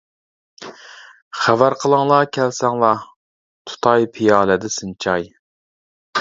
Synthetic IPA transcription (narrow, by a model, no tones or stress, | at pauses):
χævæɾqʰəlˠɨŋlˠɑkʲʰælsɛŋlˠɑ | t̪ʰu̥t̪ʰɑjpʰijɑːlɛd̪ɪsɨnt͡ʃʰɑj